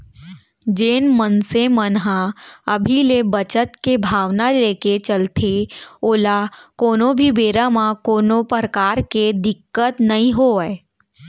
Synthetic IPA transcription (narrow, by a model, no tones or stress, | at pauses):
d͡ʒeːnmənsemənɦãəbʱilebət͡ʃət̪kebʱaːʋnaleːket͡ʃəlt̪ʰeoːlakoːnõbʱibeːɾamãkoːnopəɾəkaːɾked̪ɪkːət̪nɐɦĩɦoəe